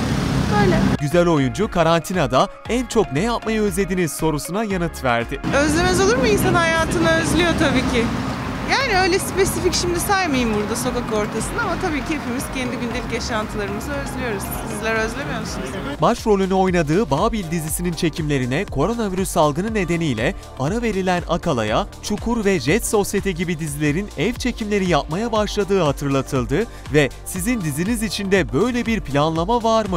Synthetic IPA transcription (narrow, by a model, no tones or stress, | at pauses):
øjlʲɛɟyzælʲo̞jund͡ʒukʰaɾant̪ʰinad̪a | ænt͡ʃʰo̞knejapmajaø̞zlʲe̞d̪iniz̥so̞ɾusunajanɯt̪væ̰ɾd̪ɪø̞zlʲe̞mɛzo̞lˠuɾmujimsanɦajaːt̪ʰɯnaø̞zlʲijo̞t̪ʰabiːcʰɪjaːniø̞jlʲɛspe̞sificʃimd̪isajmajɯmbuɾd̪aso̞kako̞ɾt̪ʰasɯnd̪amat̪ʰabiːcʰiepimiz̥cʰɛnd̪iɟynd̪elʲicjaʃant̪ʰɯlˠaɾɯmɯzɯø̞zlʲijo̞ɾuz̥d̪izilʲæɾø̞zlʲemijomsinzbaʃɾo̞lʲynyo̞jnad̪ɯːbaːbilʲd̪izisinint͡ʃʰe̞cʰimlʲe̞ɾinɛkʰo̞ɾo̞naviɾysːalˠɡɯnɯnːe̞d̪e̞nijlʲɛ | aɾave̞ɾilʲæna̰kʰalˠa̰jat͡ʃʰukʰuɾvɛʒɛt̪so̞sjet̪ʰɛɟibid̪izilʲe̞ɾinɛvt͡ʃʰe̞cʰimlʲe̞ɾijap̚majabaʃlˠad̪ɯːɦat̪ʰɯɾlˠat̪ʰɯlˠd̪ɯ | vɛ | sizind̪izinizit͡ʃʰind̪ɛbø̞jlʲɛbiɾpʰilʲanlˠamavaɾmɯ